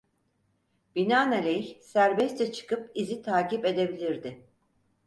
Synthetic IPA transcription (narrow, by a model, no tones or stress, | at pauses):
b̥inaːnalʲɛçsæɾbɛst͡ʃɛt͡ʃʰɯ̥kɯpizit̪ʰaːcipe̞d̪e̞bilʲiɾd̪ɪ